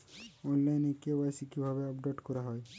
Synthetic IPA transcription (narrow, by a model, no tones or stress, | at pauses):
ɔnlajnekiewajsikibʱabeɔpɖeʈkɔɾaɦɔj